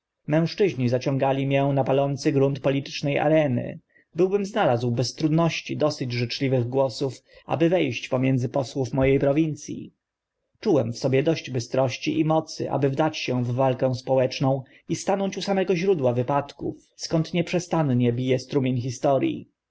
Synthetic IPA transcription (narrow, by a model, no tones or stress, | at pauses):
mɛ̃w̃ʂt͡ʂɘʑɲizat͡ɕɔ̃ŋɡalʲimjɛnapalɔnt̪sɘɡɾunt̪pɔlʲit̪ɘ̥t͡ʂnɛja̰ɾɛnɘ̰ | bɘwbɘmznalazwbɛst̪ɾud̪nɔɕt͡ɕid̪ɔsɘd͡ʑʐɘt͡ʂlʲivɘɣɡwɔsufʔa̰bɘvɛjɕt͡ɕpɔmʲjɛnd̪zɘpɔswufmɔjejpɾɔvʲint̪sʲjḭ | t͡ʂuwɛmfsɔbʲjɛd̪ɔɕd͡ʑbɘst̪ɾɔɕt͡ɕiʔimɔt̪sɘ̰ʔa̰bɘvd̪at͡ɕɕɛvːalkɛ̃w̃spɔwɛt͡ʂnɔ̃w̃ | ist̪anɔɲt͡ɕusamɛɡɔʑɾud̪wavɘpat̪kṵf | skɔnt̪ɲɛpʂɛst̪anɲɛbʲijɛst̪ɾumʲjeɲxist̪ɔɾʲjḭ